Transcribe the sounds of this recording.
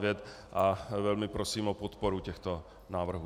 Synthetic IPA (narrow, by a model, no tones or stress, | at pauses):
vjɛt̪ | ʔavɛlmɪpɾosiːmʔopot̪poɾucɛxt̪o | naːvr̩ɦuː